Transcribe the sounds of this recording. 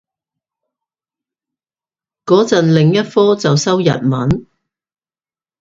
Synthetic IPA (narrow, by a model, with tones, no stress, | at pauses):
kɔː˨˥t͡sɐ˨nlɪ˨ŋjɐ˥t̚fɔː˥t͡sɐ˨wsɐ˥wjɐ̰˨t̚mɐ˨˥n